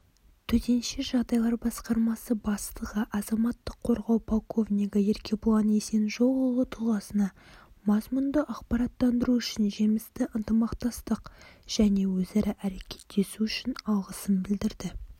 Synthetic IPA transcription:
t̪ʰɵt̪ʰe̞nʃeʒɑʁd̪ɑjlˠɑɾbɑsqɑɾmɑsəbɑst̪əʁəʔɑzɑmɑt̪ːəqʰːo̞ɾʁɑwpʰolˠkʰo̞vnʲiɡəje̞ɾkʲʰe̞blˠɑne̞se̞nʒo̞ʁolˠət̪ʰuʁɑsənɑ | mɑzmund̪əʔɑqpɑɾɑt̪ːɑnd̪əɾuʏʃɪnʒemɪst̪ɪʔənt̪əmɑqt̪ɑst̪əqʒ̥æne̞wɵzɑɾʔɑʔæɾe̞kʲʰe̞̥t̪ːe̞suʏʃɪnɑlˠʁəsənbɪld̪ɪɾd̪ɪ

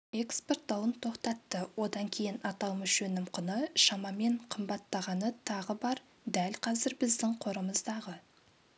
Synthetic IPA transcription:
ekspe̞rt̪̚d̪ɑwˠənt̪ʰo̞qt̪ɑt̪ːəwo̞d̪ɑŋkʲʰe̞jɪnɑt̪ɑw̪ˠmɪʃɵnɪmqʰʊnəʃɑmɑme̞ɴqʰəmbɑt̪ːɑʁɑnət̪ʰɑʁəbɑɾ | d̪ælqʰɑzɪɾbɪzd̪ɪŋqʰoɾəməzd̪ɑʁə

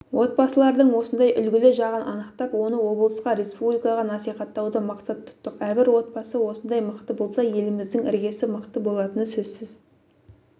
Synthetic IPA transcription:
wʔo̞t̪̚bɑsəlˠɑɾd̪əɴwo̞sənd̪ɑjʔʏlɡʲɪlɪʒɑʁənʔɑ̰nəqt̪ɑpwo̞nəwo̞blˠəsqɑɾe̞spublʲijkɑʁɑnɑsijχɑt̪ːɑwd̪əmɑqsɑt̪ʰːʊ̥t̪ːəqæɾbɪɾwo̞t̪̚bɑsəwo̞sənd̪ɑjməqt̪əbo̞lˠsɑje̞lɪmɪzd̪ɪŋɪ̰ɾɡʲe̞sɪməqt̪əbo̞lˠɑt̪ənəsɵzsɪz̥

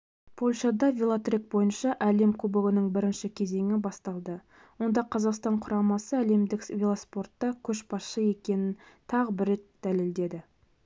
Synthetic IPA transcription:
pʰo̞lʲʃɑd̪ɑvʲelˠat̪rik̚bo̞jənʃɑʔæle̞mkʰubɪɡɪnəŋbɪɾɪnʃɪkʲʰe̞ze̞ŋɪbɑst̪ɑlˠd̪ə | wo̞nd̪ɑqʰɑzɑqst̪ɑɴqʰʊɾɑmɑsəæle̞md̪ɪkvʲelˠaspo̞rt̪ːɑkʲʰɵʃbɑsʃəje̞kʲe̞nɪnt̪ʰɑʁəbɪɾe̞t̪d̪̥æle̞ld̪e̞d̪ɪ

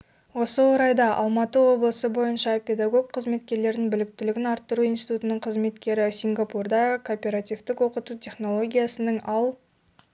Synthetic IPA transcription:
wo̞səwoɾɑjd̪ɑʔɑ̰lˠmɑt̪əwo̞blˠəsəbo̞jənʃɑpʲe̞d̪aɡo̞ɡ̚qʰəzme̞t̪kʲe̞ɾle̞ɾd̪ɪŋbɪlɪk̚t̪ɪlɪɡʲɪnɑɾt̪ːəɾuijnsʲi̥t̪ut̪ənəɴqʰəzme̞t̪kʲe̞ɾɪsʲiŋɡapurd̪ɑkʰopʲe̞ɾat̪ʲivt̪ɪkwo̞qət̪ut̪ʲʰe̞χno̞lˠo̞ɡʲijasənəɴɑlˠ

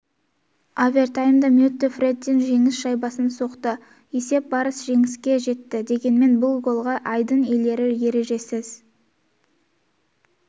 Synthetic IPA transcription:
avʲert̪ajmd̪əmut̪ːɪfred̪inʒe̞ŋɪsʃɑjbɑsənso̞qt̪ə | e̞se̞p̚bɑɾəsʒe̞ŋɪskʲe̞ʒe̞t̪ːɪd̪e̞ɡʲe̞nme̞nbʊlˠɡolˠʁɑʔɑjd̪əɴe̞le̞ɾɪje̞ɾe̞ʒe̞sɪz

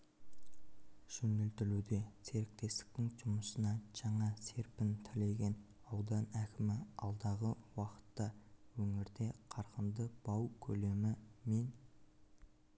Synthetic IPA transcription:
ʒ̥ɵnɪlt̪ɪlud̪e̞sʰe̞ɾɪk̚t̪e̞st̪ɪ̥k̚t̪ɪŋʒʊməsənɑʒ̥ɑɴɑse̞ɾpɪnt̪ʰɪle̞ɡʲe̞n | ɑwd̪ɑnækʲɪmɪɑlˠd̪ɑʁəwɑqə̥t̪ːɑwɵŋɪɾd̪e̞qʰɑɾqənd̪əb̥ɑwkʲʰɵle̞mɪme̞n

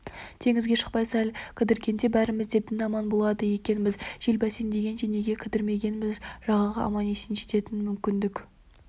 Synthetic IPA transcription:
t̪ʰe̞ŋɪzɡʲe̞ʃə̥q̚pɑjsælkʲʰɪd̪ɪɾkʲʰe̞nd̪e̞bæɾɪmɪzd̪e̞p̚d̪ɪnɑmɑnbo̞lˠɑd̪əje̞kʲe̞nmɪzʒ̥elbæsend̪e̞ɡʲe̞nʃene̞ɡʲe̞kʲʰɪd̪ɪɾme̞ɡʲe̞nɪmɪzʒ̥ɑʁɑʁɑʔɑ̰mɑnesɪnʒe̞t̪e̞t̪ɪnmʏmkʲɪnd̪ɪk

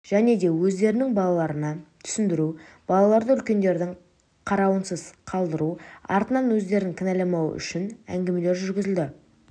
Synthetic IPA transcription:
ʒ̥æne̞d̪e̞wɵzd̪e̞ɾɪnɪŋbɑlˠɑlˠɑɾənɑt̪ʰʏ̥sɪnd̪ɪɾu | b̥ɑlˠɑlˠɑɾd̪əʏlkʲe̞nd̪e̞ɾd̪ɪŋ | qʰɑɾɑwənsəzqʰɑlˠd̪əɾuɑ̰ɾt̪ənɑnwɵzd̪e̞ɾɪŋkʲʰɪnælemɑwə̰ʔʏ̰ʃɪnæ̰ŋɡʲe̞me̞le̞ɾʒʏɾɡʲɪzɪld̪ɪ

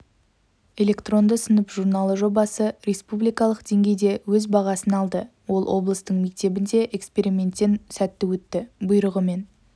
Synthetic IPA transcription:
e̞lʲe̞kt̪ro̞nd̪əsənəpʒurnɑlˠəʒo̞bɑsəɾʲe̞spublijkɑlˠəqd̪e̞ŋɡʲe̞jd̪e̞wɵzbɑʁɑsənɑlˠd̪ə | wo̞lˠwʔo̞blˠəst̪əɴme̞k̚t̪e̞bɪnd̪e̞ʔekspe̞ɾimʲe̞nt̪ːe̞nsæt̪ːɪwɵt̪ːɪbʊjɾəʁəme̞n

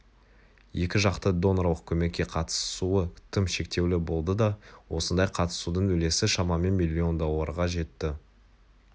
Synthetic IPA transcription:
je̞kʲɪʒɑqt̪əd̪o̞nɾɑwəq̚kʲʰɵmekʲːe̞qʰɑt̪ə̥suət̪ʲʰɪmʃe̞k̚t̪e̞wlɪbo̞lˠd̪əd̪ɑwo̞sənd̪ɑjqʰɑt̪ə̥sud̪əɴɵle̞sɪʃɑmɑme̞nmilʲːio̞nd̪o̞lˠːəɾʁɑʒe̞t̪ːɪ

